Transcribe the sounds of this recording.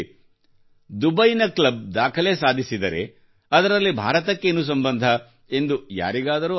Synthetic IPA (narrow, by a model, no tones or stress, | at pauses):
d̪ubɐjnɐklɐb̚d̪aːkʰɐle̞ːsaːd̪ʱisid̪ɐɾe̞̰ | ɐd̪ɐɾɐlːibʱa̰ːɾɐt̪̬ɐkːe̞ːnus̬ɐmbɐnd̪ʱɐ | e̞nd̪uja̰ːɾiɡaːd̪ɐɾuː